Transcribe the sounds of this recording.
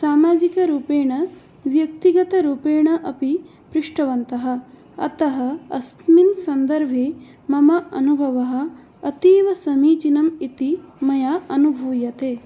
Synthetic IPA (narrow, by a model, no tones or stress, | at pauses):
saːmaːd͡ʒikɐɾuːpeːɳɐ | ʋjɐk̚t̪iɡɐt̪ɐɾuːpeːɳɐʔɐpi | pɾɪʂʈɐʋɐnt̪ɐɦɐ̆ | ɐ̰t̪ɐɦɐɐst̪minsɐnd̪ɐɾʋʱeː | mɐmɐʔɐnubʱɐʋɐɦɐ̆ | ɐt̪eːʋɐsɐmiːd͡ʒinɐmit̪imɐjaːɐnubʱuːjɐt̪eː